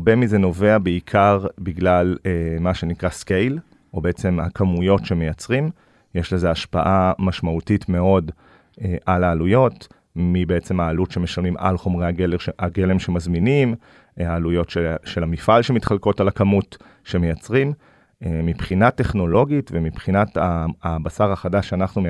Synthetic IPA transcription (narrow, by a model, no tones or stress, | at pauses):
aʁbe̞mize̞no̞veabeikʰaʁbiɡlalemaʃe̞nikʁaskejl | ʔo̞beet͡se̞mhakamujo̞tʃeme̞jat͡sʁim | jeʃleze̞aʃpaʔamaʃmautitme̞o̞d | eʔalaːlujo̞t | mibeet͡se̞maːlutʃe̞meʃalmima̰lχo̞mʁejaɡeleaɡe̞lemʃe̞mazminim | aːlujo̞tʃeʃe̞lamifalʃe̞mitχalko̞talakamut | ʃe̞mejat͡sʁim | emipχinate̞χno̞lo̞ɡitvemipχinataːbasaʁaχadaʃeanaχnume